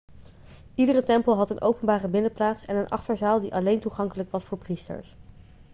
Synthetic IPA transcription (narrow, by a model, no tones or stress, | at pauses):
ʔidərətɛmpəlˠɦɑtənʔowpənbaːrəbɪnəplaːtsɛ̰nənʔɑ̰χtəɹzaːlˠdiʔɑlejntuχɑŋkələkʋɑsfʊːɹpristə̰ɹs